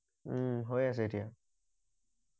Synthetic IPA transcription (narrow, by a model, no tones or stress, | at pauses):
ɦojas̬eʈʰija